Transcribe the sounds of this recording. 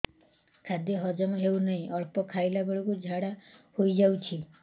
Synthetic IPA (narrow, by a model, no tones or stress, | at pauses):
kʰad̪jɔɦɔd͡ʒɔmɔɦewnaɦĩʔɔɭpɔkʰajlaɡɔɭukud͡ʒʱaɽahojd͡ʒawt͡ʃʰi